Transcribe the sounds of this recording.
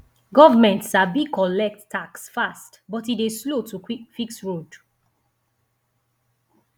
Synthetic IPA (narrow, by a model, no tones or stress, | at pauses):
ɡɔvamɛ̃ntsabikʰɔlɛk̚ttaksfastbɔtideslotufiksɹod